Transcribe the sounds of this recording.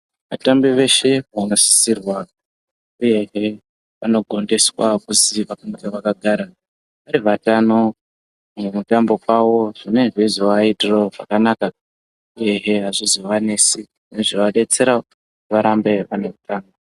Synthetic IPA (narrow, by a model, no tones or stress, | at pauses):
ʋatambiʋe̞ʃe̞ɦanosi̥sirwa | uje̞ɦe̞ | ʋano̞ɡʱo̞nde̞swakuziʋakankeʋakaɡʱaɾa | ʋaɾiʋatano̞ | uumutambo̞kwawo̞ʐine̞ʐizoaitiroʐakanaka | uje̞ɦe̞ɦaʐizoʋanesi | neʐiʋaɗe̞t͡se̞ɾa | ʋaɾambe̞ʋanokutaːŋɡa